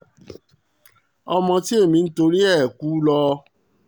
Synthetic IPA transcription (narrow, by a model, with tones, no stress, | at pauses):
ɔ˧mɔ̃˧ti˦e˦˨mĩ˧n̩˦to˧ɾi˦ɛ˦˨kuː˦lɔ˧